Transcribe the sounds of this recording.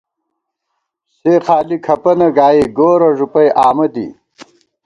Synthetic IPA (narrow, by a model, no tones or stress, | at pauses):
seːχaːlikʰɐpɐnɐɡaːjeɡoːɾɐʐupɐjʔaːmɐd̪ḭ